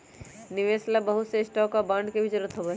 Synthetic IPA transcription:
nɪʋeːslabəɦut̪sesʈɔːkabãːɳɖkebʱid͡ʒəɾət̪ʰɦoba

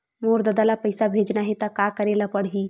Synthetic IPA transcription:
moːɾd̪əd̪alapəɪsabʱeːd͡ʒnaɦɛt̪akakəɾelapəɽɦi

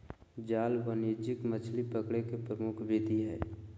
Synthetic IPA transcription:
d͡ʒaːlʋənid͡ʒɪkmət͡ʃʰlipəkɽekepɾəmʊkʰbʱɪt̪iɦɛ̰ː

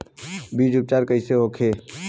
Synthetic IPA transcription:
biːd͡ʒʊp̚t͡ʃaːɾkəɪseɦoːkʰeː

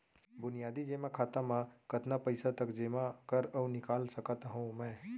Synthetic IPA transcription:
bʊnijaːd̪id͡ʒeːmakʰaːt̪amãkɐt̪napɐɪsat̪ɐkd͡ʒeːmakɐɾɔːnɪkaːlsɐkət̪aɦũmɛ̃ː

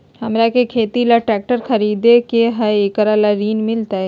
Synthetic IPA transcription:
hɐmɾakekʰeːt̪ilaʈɾɛːk̚ʈəɾxʰəɾiːd̪ekeɦɐeːkəɾalaɾiːnmɪlt̪aɦɛː

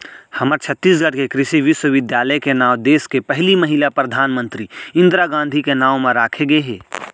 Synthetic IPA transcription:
hɐməɾt͡ʃʰət̪ːiːs̬ɡəɽkekɾɪʃiʋɪʃwəʋɪd̪jaːləjkenãːwd̪eːskepɛɦlimɐɦɪlapɾəd̪ʱaːnmə̃nt̪ɾiɪ̃nd̪ɾaɡãːnd̪ʱikenaːwmẽɾaːkʰeɡɐeɦɛː

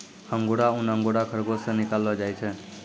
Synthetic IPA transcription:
əŋɡoɽaunəŋɡoɽakʰəɾɡosẽnikalːɔd͡ʒajt͡ʃʰɛ

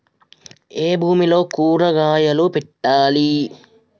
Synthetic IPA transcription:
eːbʱuːmilo̞ːkuːɾɐɡaːjɐlupiʈːaːli

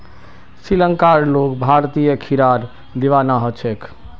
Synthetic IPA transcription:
sɾiləŋkaɾlokbʱaɾt̪ijəkʰiɾaɾ | d̪iʋanaɦət͡ʃʰekʰ

